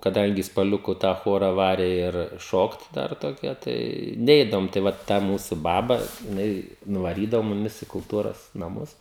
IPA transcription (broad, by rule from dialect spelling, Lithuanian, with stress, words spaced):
kɐˈdɐŋʲɡʲɪ spɐˈlʲʊkʊ tɑː ˈxoːrɐ ˈʋɑːrʲɛ ɪr ˈʃoːkt ˈdɐr toːˈkʲɛ tɐɪ ˈnʲɛɪdɐʋoːm tɐɪ ˈʋɐ tɐ ˈmuːsʊ ˈbɑːbɐ jɪˈnɐɪ nʊʋɐˈrʲiːdɐʋoː mʊˈmʲɪs ɪ kʊlˠˈtuːroːs nɐˈmʊs